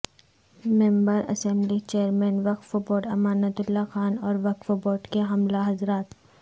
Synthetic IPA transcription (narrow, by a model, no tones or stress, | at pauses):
mẽmbəɾɐ̰sɛ̃mblit͡ʃeːəɾmẽːnʋɐk̪foboːʈɐmaːnət̪ʊlːaxaːnɔːɾʋɐkfoboːʈkeɦɐmlaɦɐzɾaːt̪